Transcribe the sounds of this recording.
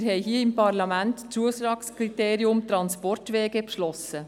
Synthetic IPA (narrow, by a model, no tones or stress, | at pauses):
ɾhɛjɦiəɪmpʰɑɾlɑmæntt͡suəsɾɑːkskʰɾit̪eːɾiʊmt̪ɾɑnspɔrtʋɛːɡɛpʃlɔsə